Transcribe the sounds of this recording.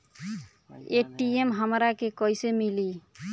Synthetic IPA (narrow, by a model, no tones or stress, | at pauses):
eʈiemɦəmɾakekɔjsemili